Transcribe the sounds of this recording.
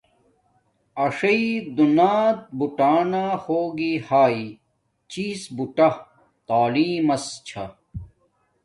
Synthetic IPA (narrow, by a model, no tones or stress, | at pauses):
ɐʂɐid̪unaːt̪̚buʈaːnahoːɡihaːi | t͡ɕiːsbuʈɐ | t̪aːliːmɐst͡ɕʰɐ